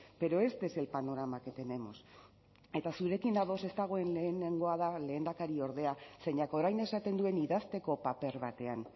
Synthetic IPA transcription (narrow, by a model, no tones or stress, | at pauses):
b̥e̞ɾo̞e̞st̪e̞se̞lpano̞ɾamake̞t̪e̞ne̞mo̞̰s | e̞t̪asuɾe̞kinaðo̞se̞st̪aɣ̞o̞enle̞ːneŋɡo̞aðale̞ːnd̪akaɾio̞ɾðe̞ase̞ɲako̞ɾajne̞sat̪e̞nd̪ue̞niðast̪e̞ko̞pape̞ɾβat̪e̞an